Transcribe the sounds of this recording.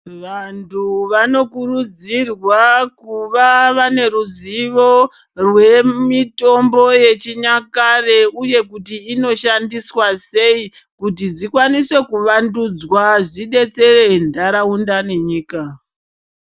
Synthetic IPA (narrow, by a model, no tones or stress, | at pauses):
ʋantʰuʋano̞kurud͡zirwakuʋaʋane̞ɾuziʋo̞ | rwe̞mito̞mbo̞je̞t͡ʃiɲakare̞uje̞kutiːno̞ʃandiswase̞i | kutid͡zikwaniswe̞kuʋandud͡zwaʐiɗe̞t͡se̞re̞ndaɾaundane̞ɲiːka